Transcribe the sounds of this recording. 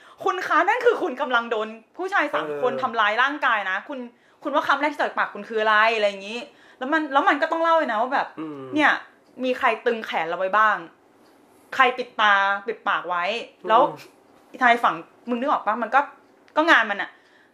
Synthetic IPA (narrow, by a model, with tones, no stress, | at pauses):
kʰu˧nkʰaː˦˥na˥˩nkʰɯː˧kʰu˧nka˧mla˧ŋdoː˧npʰuː˥˩t͡ɕʰaː˧jsa˨˩˦ŋkʰo˧nt̪ʰa˧mlaː˧jlaː˥˩ŋkaː˧jna˦˥kʰu˧n | kʰu˧nwaː˥˩kʰa˧˥mɾk̪̚ʰiː˥˩a˨˩paː˨˩kʰːu˧nkʰɯː˧˦a˧la˧˥jʔla˧jːa˨˩ŋiː˦˥ | lɛː˦˥wma˧nlɛː˦˥wma˧nkɔː˥˩t̪ɔ˥˩ŋla˥˩wa˧na˦˥waː˥˩bɛː˨˩p̚ni˥˩ɐ | miː˧kʰɾa˧jt̪ɯ˧ŋkʰɛː˩˦nlʔa˧wa˦˥jbaː˥˩ŋ | kʰa˧jpi˨˩t̪ːaː˧pi˨˩t̪̚paː˨˩k̚wa˦˥jlɛː˦˥w | t͡ɕʰaː˧jfa˨˩˦ŋ | mɯ˧ŋni˥˩˨ʔɔː˨˩baː˥˩ŋma˧nkɔː˥˩ | kɔː˥˩ŋaː˧nma˧nʔa˨˩ʔ